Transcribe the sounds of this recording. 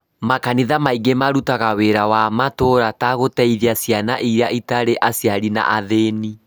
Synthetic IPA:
makaniðamaiɡemaɾutaɣaweɾawamatoɾataɣotɛiðiasjana̰ʔiɾjaʔitaɾeʔasjaɾina̰ʔaðeni

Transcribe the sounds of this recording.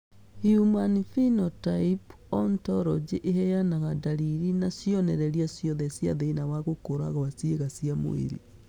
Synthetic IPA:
hjumanfinɔtaip | ɔntɔɾɔd͡ʒeʔeɦɛjanaɣadaɾiɾinasjɔnɛɾɛɾiasjɔðɛsja̰ðeinawaɣokoɾa̰ɣwasieɣasiamo̰ḛɾḭ

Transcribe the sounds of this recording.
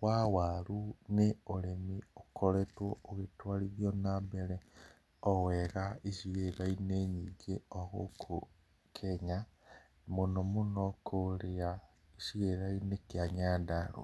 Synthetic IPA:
wawaɾuneolemiokʰoletwooɣetwaliɾjonambeɾe | ɔweɾaiʃiɣelaineɲiɡeoɣokʰo | kʰeɲa | monomunokʰoɾea | isiɣeɾainekjaɲadaɾo̰

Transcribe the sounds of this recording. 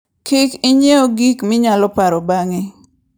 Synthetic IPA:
kɪkɪɲeoɡikmɪɲalɔpaɾɔbaŋɪ

